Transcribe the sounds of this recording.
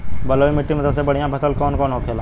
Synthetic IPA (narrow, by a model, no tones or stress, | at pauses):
bɐloːimɪʈːimɐt̪əlsebɐɽ̤ijãpʰɐsəlkɔːnkɔːnɦoːkʰeːlaː